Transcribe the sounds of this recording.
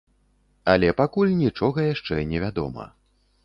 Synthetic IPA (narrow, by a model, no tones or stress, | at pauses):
ɐlʲɛpakulʲnʲit͡ʂɔɣɐjaʂt͡ʂɛnʲɛvʲad̪ɔ̰mɐ̰